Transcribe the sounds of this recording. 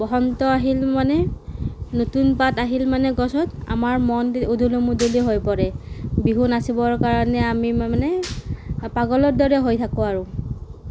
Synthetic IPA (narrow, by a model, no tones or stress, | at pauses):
bɔɦɔntɔaɦilmanɛ | notunpataɦilmanɛɡɔsɔta̰maɹmɔnudʱulomudiliɦojpɔɹɛbiɦunasibɔɹkaɹɔnɛamianɛ | paɡɔlɔt̚dɔɹɛɦojtʰakʊaɹʊ̃